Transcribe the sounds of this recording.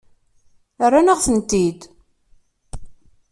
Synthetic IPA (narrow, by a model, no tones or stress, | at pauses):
ərːanəʁθənt̪id̪